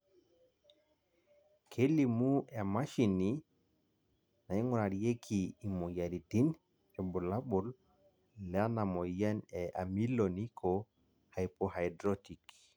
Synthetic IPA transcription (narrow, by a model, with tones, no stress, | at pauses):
kʰe˦li˨mu˦ɛ˨ma˦ʃi˨ni | na˨i˦ŋɔ˨na˨ɾi˨je˦kʰiː˨mɔ˨ja˨ɾi˨ti˦n | ɛ˨bu˨la˦ɓu˨l | lɛa˦na˨mɔ˨jɛ˦nɛʔa̰˨mi˦loni˦kʰɔ | ha˨jpohajdɾɔti˨k